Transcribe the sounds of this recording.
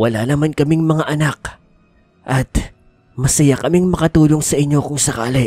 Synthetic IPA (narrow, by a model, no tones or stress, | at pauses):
wɐlanɐmankɐmɪŋmɐŋaʔɐnak̚ | ʔɐt̪ | mɐsɐjakɐmɪŋmɐkɐt̪uːlo̞ŋsɐʔɪɲːo̞kʊŋsɐka̰ːlɪ